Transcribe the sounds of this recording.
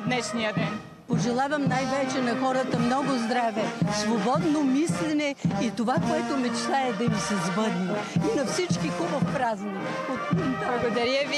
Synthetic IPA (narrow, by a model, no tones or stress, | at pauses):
d̪nɛʃnijəd̪ɛn | poʒɛlˠavɐmnajvɛt͡ʃɛnɐxɔɾət̪əmnɔɡʊzd̪ɾavɛsvobɔd̪nomislɛnɛit̪ovakoɛt̪ʊmɛt͡ʃt̪aɛd̪ɐmisɛzbɤd̪nɛinɐfsit͡ʃkixubəfpɾaznɐ | ot̪inˠɐɡod̪ɐɾəvi